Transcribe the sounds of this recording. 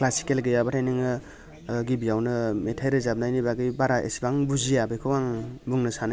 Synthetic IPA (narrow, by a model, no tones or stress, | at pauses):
klasi̥kelɡɯjabatʰajnɯŋɯ | ɡibijawnɯmetʰajɾɯzab̚najnibaɡɯjbaɾaʔḛsibaŋbuzijabɯjkʰɯwaŋbuŋnɯsana